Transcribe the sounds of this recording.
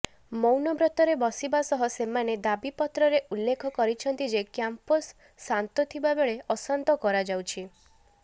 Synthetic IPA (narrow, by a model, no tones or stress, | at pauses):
mɔwnɔbɾɔt̪ɔɾebɔsibasɔɦɔsemaned̪abipɔt̪ɾɔɾeʔulːekʰɔkɔɾit͡ʃʰɔnt̪id͡ʒekjamposː | ant̪ɔt̪ʰibabeɭeɔsant̪ɔkɔɾad͡ʒawt͡ʃʰi